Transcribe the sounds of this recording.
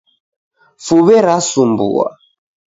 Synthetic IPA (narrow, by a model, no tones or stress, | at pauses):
fuβɛɾasumbṵa̰